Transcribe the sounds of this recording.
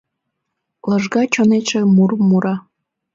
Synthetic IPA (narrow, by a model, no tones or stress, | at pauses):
ləʒɣɑt͡ɕoneʃemurmːuɾɑ